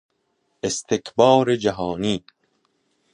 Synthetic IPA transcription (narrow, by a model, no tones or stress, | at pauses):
est̪ʰekʰbɒːɾed͡ʒæɦɒːniː